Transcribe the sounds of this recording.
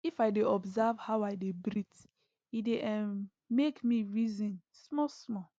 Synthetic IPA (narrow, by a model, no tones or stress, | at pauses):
ifaɪdeɔbzavhawaɪdebɾit | ideʔɛm | mekmiɹizĩnsmɔsmɔ